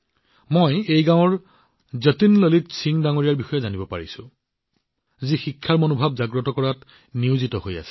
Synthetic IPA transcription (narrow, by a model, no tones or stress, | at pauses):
mojejɡãw̃ɔɹ | zɔtinlolitsʰiŋdaŋoɹijaɹbixɔjɛzanibɔpaɹisʊ̰̃ | zixikʰːaɹmonobʱabzaɡɹɔtɔkɔɹat | niʊzitɔhoja̰sɛ̥